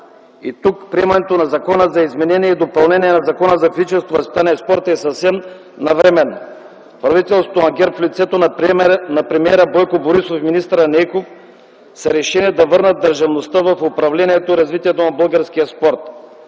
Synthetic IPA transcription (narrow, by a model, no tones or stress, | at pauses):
it̪ukpɾiɛmanɛt̪onazakɔnəzaizmɛnɛniɛid̪opalˠnɛniɛnazakɔnəzafizit͡ʃɛlˠst̪voasit̪aniɛspɔɾt̪ɛsafsɛm | navɾɛmɛnːo | pɾavit̪ɛlˠsot̪oaŋɡʲɛɾpflit̪sɛt̪onnapɾɛmiɛɾabɔjkoboɾisofminist̪ɾanɛjkof | sɛɾɛʃɛniɛd̪avəɾnɐt̪̚ːəɾʒavnost̪avafopɾavlɛniɛt̪oiɾazvit̪iɛt̪onabəlˠɡaɾskijaspɔɾt̪̚